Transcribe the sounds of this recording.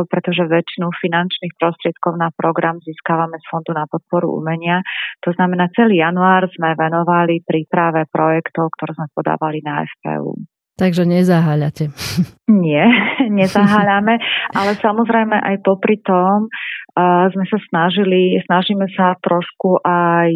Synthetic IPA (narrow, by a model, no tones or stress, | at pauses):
pɾɛt̪ɔʒɛʋɛt͡ʃinufinant͡ʃnixpɾɔst̪ɾɪɛt̪̚kɔʊnapɾɔɡɾamziːskaʋamɛsfɔnd̪unapɔt̪̚pɔɾṵṵmɛɲɪat̪ɔznamɛnaːt͡sɛliːjanuaːɾzmɛʋɛnɔʋalipɾiːpɾaʋɛpɾɔjɛkt̪ɔʊkt̪ɔɾɛːzmɛpɔd̪a̰ːʋalinaɛ̰fpɛ̰ːṵː | t̪aɡʒɛɲɛzaɦaːʎacɛɲɪɛɲɛzaɦaːʎamɛʔalɛsamɔzɾɛjmɛʔajpɔpɾit̪ɔm | zmɛsasnaʒilisnaʒiːmɛsat̪ɾɔʃkuʔaj